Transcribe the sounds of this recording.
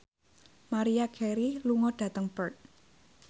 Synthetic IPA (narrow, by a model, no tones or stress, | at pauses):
maɾijakʰɛɾiluŋɔɖ̥ä̤t̪əŋpərt̪̚